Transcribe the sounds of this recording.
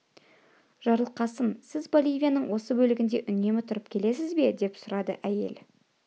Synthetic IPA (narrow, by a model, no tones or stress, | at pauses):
ʒ̥ɑɾlˠqɑsəmsɪzbolʲˠijvʲijanəɴwo̞səbɵlɪɡʲɪnd̪e̞ʔʏne̞mɪt̪ʰʊɾəp̚kʲʰe̞le̞sɪzbe̞d̪e̞psʊɾɑd̪ə̰ʔæje̞̰l